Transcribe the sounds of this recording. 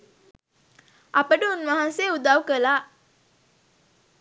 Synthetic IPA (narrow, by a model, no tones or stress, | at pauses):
ʔɐpəʈəunʋaɦanseːud̪aʋkəlaː